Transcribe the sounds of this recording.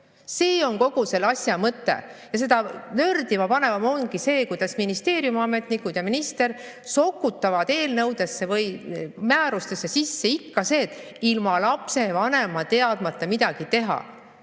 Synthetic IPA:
se̞ːo̞nko̞ɡ̥use̞lɑsʲjɑmɤt̪ːe̞̰jɑs̬e̞d̪̥ɑnø̞rd̪ivɑpɑne̞vɑmo̞nɡ̥ise̞ːkujd̪̥ɑsminist̪e̞ːɾjumɑme̞t̪nikːud̪̥jɑminist̪e̞r | so̞kːˑut̪ːˑɑvɑd̪eːlnɤwd̪̥e̞sːe̞vɤjmæːɾust̪e̞sːe̞sisːe̞ikːɑse̞ːt̪ːˑ | ilmɑlɑpse̞vɑne̞mɑt̪e̞ɑd̪̥mɑt̪ːˑɑmid̪ɑɡ̥it̪e̞ɦɑ̰

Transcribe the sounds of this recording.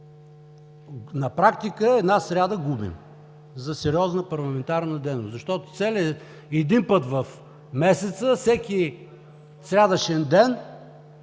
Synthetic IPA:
nɐpɾakt̪ikəɛd̪nasɾʲad̪əɡubḭm | zɐsɛɾiɔznəpɐɾlˠɐmɛnt̪aɾnəd̪ɛjnʊszɐʃt̪ɔt̪o̥t̪sɛlʲə | ɛd̪inpət̪vɐf | mɛsɛt̪səfsɛkʲi | sɾʲad̪əʃɛnd̪ɛn

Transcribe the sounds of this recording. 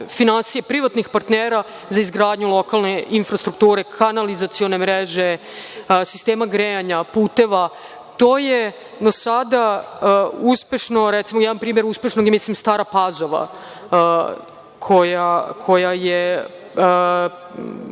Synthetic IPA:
finansijepɾiʋat̪nixpaɾt̪neːɾa | zaizɡɾaːd̪ɲulˠo̞kalˠne̞infɾast̪ɾukt̪uːɾe̞kʰanalizat̪sijo̞ne̞mɾeʒe | si̥st̪eːmaɡɾejaɲapuːt̪e̞ʋa | t̪o̞ːje | d̪osad̪a | uspe̞ʃno̞ɾɛt̪simojɛampɾiːme̞ɾuspeʃno̞ɡjemislimst̪aːɾapazo̞ʋa̰ | kʰo̞jakʰo̞jaje

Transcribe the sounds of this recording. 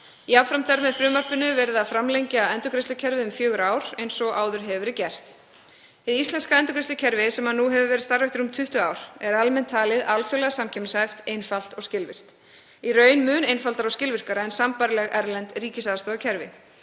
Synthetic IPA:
iawfɾamt̪ʰaɾmɛðfɾʏːmar̥pʏnʏvɛːɾɪðaðfɾamlejɲcaɛnt̪ʏkɾɛst̪lʏcʰɛɾvɪʏmfjœːɣʏɾaːwɾ̥ejnsɔɣʔaːwðʏɾ̥ɦɛvvʏɾɪcɛr̥t̪ | ɪðist̪lɛnskaɛnt̪ʏkɾɛst̪ʏcʰɛɾvɪsɛmhanuɦɛvʏvɛːɾɪðst̪aɾvɛht̪ʏɾʏmt̪ʰʏht̪ʏaːwɾ̥ɛɾalmɛnt̪ʰːaːlɪðalfjʏlɛɣasamcʰɛmsajft̪ejnfal̥t̪ɔɣscɪlvɪ̰r̥t̪ | irœːɥnmʏːnejnfalt̪aɾawscɪlvɪr̥kaɾaɛnsampaɾɪlɛɣɛɾlɛnt̪riːcɪsaðst̪ɔːðacʰɛɾvɪ̰

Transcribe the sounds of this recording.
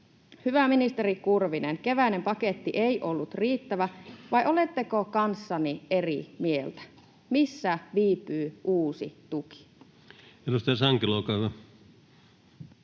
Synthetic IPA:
hyʋæminist̪e̞ɾikurʋinenke̞ʋæine̞mpɑke̞t̪ːiʔejʔo̞lːut̪riːt̪ːæʋæʋɑjʔo̞le̞t̪ːekokɑnsːɑnierḭmie̞lt̪æ̥ | misːæʋiːpyːʔuːsḭt̪uki̥ | elust̪ɑˑɑsɑŋkiloːkɑuʋɑ

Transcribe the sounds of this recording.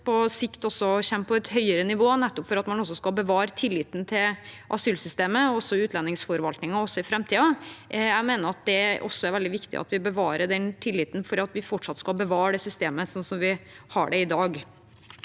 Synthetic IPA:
pʰɔsɪkt̪ɔsːɔçɛmːpʰɔɛt̪hœʏəɾənɪʋoːnɛt̪ːɔpfɔɾɑt̪mɑnɔs̬ɔskɑlbəʋɑːɾət̪ʰɪlːɪt̪n̩t̪ʰɪlʔɑ̰syːlsʏst̪eːməɔsːɔʉːt̪ʰlɛnːɪŋsfɔɾʋɑlt̪nɪŋɑɔsːɔɪfɾɛmt̪ʰiːɑæɡmeːnəɾɑt̪̚d̪ɛʔɔ̰sːɔæɾʋɛld̪ɪʋɪkt̪ɪ̰ʔɑ̰t̪ʋɪbəʋɑːɾəɖɛnt̪ʰɪlːɪːt̪n̩fɔɾɑt̪ʋɪfɔʈʂɑt̪ːskɑlbəʋɑːɾɖ̪ɛsʏst̪eːməsɔnsɔmʋɪhɑ̰ɖɛɪd̪ɑːɡ

